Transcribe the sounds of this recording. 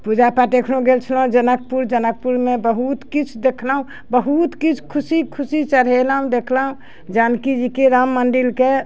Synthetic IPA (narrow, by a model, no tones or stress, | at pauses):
pud͡ʒapaʈekʰnõɡelt͡ʃʰlaɦũd͡ʒənək̚puɾd͡ʒənək̚puɾmebəɦut̪kit͡ʃʰd̪ekʰlaɦũ | bəɦut̪kit͡ʃʰkʰusikʰusit͡ʃəɽɦelaɦũd̪ekʰlaɦũ | d͡ʒankid͡ʒikeɾamːənɖilke